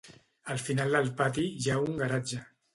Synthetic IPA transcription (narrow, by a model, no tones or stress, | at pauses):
əlˠfinalˠd̪əlˠpat̪iʒauŋɡaɾad͡ʒə